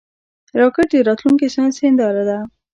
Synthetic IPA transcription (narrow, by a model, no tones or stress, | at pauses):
ɾɑkəʈ̚d̪eɾɑt̪luŋkeʃɑnsend̪ɑɾad̪a